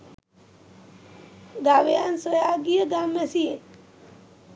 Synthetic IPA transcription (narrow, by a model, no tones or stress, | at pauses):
ɡaʋejansojaːɡijəɡamːesie